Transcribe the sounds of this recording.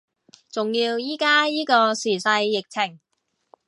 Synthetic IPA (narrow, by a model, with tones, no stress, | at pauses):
t͡sʊ˨ŋjiː˧wjiː˥kaː˥jiː˥kɔː˧siː˨˩sɐ˧jːɪ˨k̚t͡sʰɪ˨˩ŋ